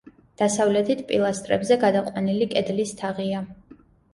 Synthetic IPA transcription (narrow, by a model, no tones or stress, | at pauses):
d̪̥asavlɛt̪ʰit̪ʰpʼilˠast̪ʼɾɛ̰bzɛɡad̪aqʼwanilikʼɛd̪list̪ʰaʁia